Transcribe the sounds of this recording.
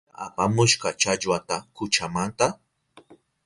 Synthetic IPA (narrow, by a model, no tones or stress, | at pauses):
a̰pamʊʃɢɑt͡ʃaʎwat̪akʊt͡ʃamant̪a